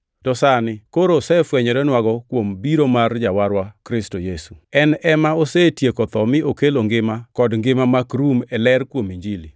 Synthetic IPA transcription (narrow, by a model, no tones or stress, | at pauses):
d̥ɔsanɪkoɾosɛfwɛɲɔɾɛnwaɡɔkwombiɾomard͡ʒawaɾwakɾɪstojesuɛnɛmaosɛtjekot̪ɔmɪʔokeloŋɡɪmakɔdŋɡɪmamakɾumɛlɛrkwomiɲd͡ʒili